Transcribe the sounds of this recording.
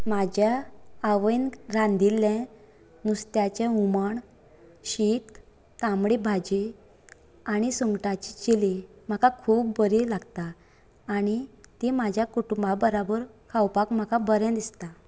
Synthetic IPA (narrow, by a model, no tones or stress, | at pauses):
mad͡ʑjaːʋəjnɾãnd̪ilːɛ̃ | nust̪jat͡ɕumaɳ | ɕit̪ː | amɽebʱad͡ʑe | aɽ̃isuŋɡʈat͡ɕit͡ɕelem̤akakʰuːpːəɾelaɡt̪aː | ɽ̃it̪emad͡ʑʱjakuʈumbabəɾabəɾkʰawpakm̤akabəɾjãd̪ist̪a